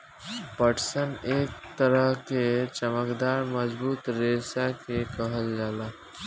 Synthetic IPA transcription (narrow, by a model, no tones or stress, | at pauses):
pəʈsəneːk̚t̪əɾəɦket͡ʃəməkd̪aːɾməd͡ʒbuːt̪ɾeːsakekəɦəld͡ʒaːlaː